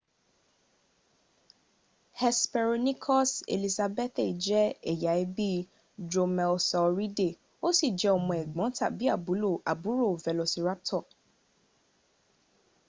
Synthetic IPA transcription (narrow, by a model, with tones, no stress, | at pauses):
hɛ˨spɛ˧ɾɔ˧nĩ˦kʰɔ˦sḛ˨li˨sa˧bɛ˦t̪i˨d͡ʒɛ˦ɛ˨ja˨˦i˦bi˦ | d͡ʒo˧mɛ˧lsɔ˧ɾi˦de˦˨ | o˦si˦˨d͡ʒɛ˨˦ɔ˧˨mɔ̃˨ɛ˨ɡ͡bɔ̃˨˦tʰa̰˦˨bi˦a˦˨bu˨˦lo˦˨ʔa˨bu˨˦ɾo˦˨vɛ˨lo˧si˧ɾa˦p̚tʰɔ˦˨